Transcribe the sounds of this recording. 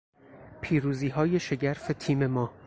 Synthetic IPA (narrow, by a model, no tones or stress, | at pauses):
pʰiːɾuːziːɦɒːje̞ʃeɟæɾfe̞t̪ʰiːme̞mɒː